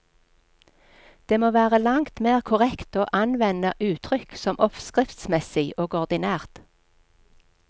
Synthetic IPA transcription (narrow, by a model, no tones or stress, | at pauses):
d̪̥eːmoːʋæːʁəlɑŋt̪meːʁkʰʊʁɛkt̪oːʔɑnʋɛnəʔʉːt̪ʰʁʏksɔmʔɔfskʁɪft̪smɛsɪɡoːɡɔʁd̪ɪnæːʁt̪